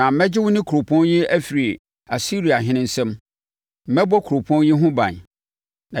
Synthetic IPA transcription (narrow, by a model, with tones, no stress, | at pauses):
ã˨m̩˨mɛ̃˦d͡ʑɪ˦wʊ˦nɪ̃˦kʰu˨ɾʊ˨pʰɔ̃˦njɪ˦æ˦fi˨ɾi˨ | a˨si˦ɾi˨a˨ɦɪ̃˦nɪ̃˦n̩˦sɛ̃˦m | m̩˦mɛ̃˦bɔ˦kʰu˨ɾʊ˨pʰɔ̃˦njɪ˦ɦʊ̃˦bã̰˨n | nã˨